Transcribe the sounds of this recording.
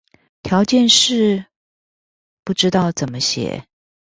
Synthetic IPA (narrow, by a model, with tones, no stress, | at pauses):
t̪ʰjɑ˧˥ʊt͡ɕjɛ˥˧nʂɻ̩˥˩ | pu˥˩ʈ͡ʂɻ̩˥t̪ɑ˥˩ʊt͡sə˨˩nmə˦ɕjɛ̰˨˩˦